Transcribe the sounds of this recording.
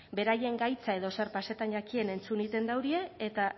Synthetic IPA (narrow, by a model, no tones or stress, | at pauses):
be̞ɾaje̞ŋɡajt͡sae̞ðo̞seɾpase̞t̪anʝakie̞ne̞nt͡sunit̪e̞nd̪awɾie̞ːt̪a